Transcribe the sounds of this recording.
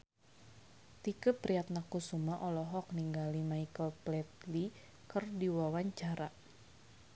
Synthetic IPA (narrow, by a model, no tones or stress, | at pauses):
t̪ikəpɾiat̪̚nakusumaʔɔlɔɦɔk̚niŋɡalimaikəlplɛt̪̚li | kərdiwawaɲt͡ʃaɾa